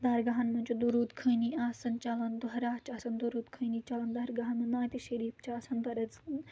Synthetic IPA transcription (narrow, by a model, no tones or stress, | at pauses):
d̪ɐɾɡɐɦɐnmɐnt͡ʃʰud̪uɾuːt̪kʰəniaːsɐnt͡ʃalɐnd̪uɦɐɾaːt͡ʃʰaːsɐnd̪uɾuːt̪kʰənit͡ʃalɐnd̪ɐɾɡɐɦɐnmɐnaːt̪iʃɐɾiːpt͡ʃʰaːsɐnb̪ɐɾɐd͡z